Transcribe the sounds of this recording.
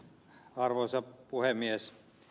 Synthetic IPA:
ɑrʋosɑpuhemies

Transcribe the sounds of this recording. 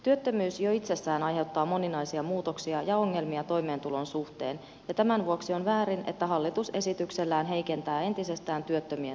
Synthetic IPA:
t̪yøt̪ːømyːsjo̞it̪se̞sːæːnɑjɦe̞wt̪ːɑːmo̞ninɑjsiɑmuːt̪o̞ksiɑjɑo̞ŋːe̞lmiɑt̪o̞jme̞ːnt̪ulo̞nsuht̪e̞ːn | jɑt̪æmænʋuoksio̞nʋæːɾine̞̰t̪ːæɦɑlːit̪use̞sit̪ykselːæːnɦe̞jke̞nt̪æːe̞nt̪ise̞st̪æːnt̪yøt̪ːømyø

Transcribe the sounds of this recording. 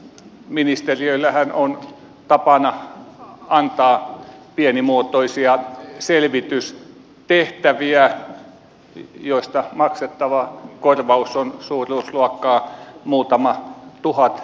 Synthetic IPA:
minist̪eriøilːæhænon | t̪ɑpɑnɑ | ɑnt̪ɑːpienimuot̪oisiɑselʋit̪ys | t̪eht̪æʋiæ | joist̪ɑmɑkset̪ːɑʋɑkorʋɑusːonsuːrˑuːsluɑkːɑːmuːt̪ɑmɑt̪uhɑt̪

